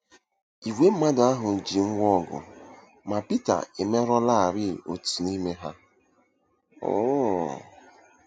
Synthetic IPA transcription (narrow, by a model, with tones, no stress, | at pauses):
i˨wʷe˦m̩˦ma˦da˦ɦʊ˨d͡ʒi˨ŋ̩˦ŋʷɔ˦˨ɡʊ̰˨ | ma˨pi˦ta̰˨e˨me˦ɾɔ˦la˦a˨ɾɪ˦˨o̰˨tu̥˨ni˦me˦ɦa˦ | ɔ̰˦